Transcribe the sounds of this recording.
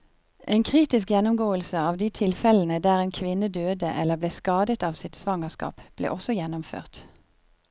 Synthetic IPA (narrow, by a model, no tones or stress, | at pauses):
ʔeːnkʰʁiːt̪ɪskjɛnʊmɡoːəlsəɑːʋd̪iːt̪ʰɪlfɛln̩əd̪æːʁeːnkʰʋɪnəd̪øːd̪əʔɛləbleːskɑːd̪ət̪ɑːʋsɪt̪sʋɑŋəskɑ̰ːpb̥lḛːʔɔsɔjɛnʊmfø̰ːʁt̪